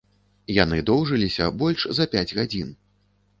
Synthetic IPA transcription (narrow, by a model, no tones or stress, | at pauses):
janɨd̪ɔwʐɨlʲisʲɐ̰bɔlʲʂzɐpʲad͡zʲɣad͡zʲin